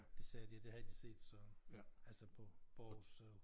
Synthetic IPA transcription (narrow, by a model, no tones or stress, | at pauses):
d̥e̝sɛːd̥iæd̥e̝hæd̥ise̝̰ːd̥sɒ̽ælsəpʰɒb̥ɒsø